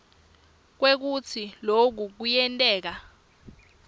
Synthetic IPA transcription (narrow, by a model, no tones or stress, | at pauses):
k̬wek̬ut͡sʰilok̬uk̬ujɛntʼɛːk̬a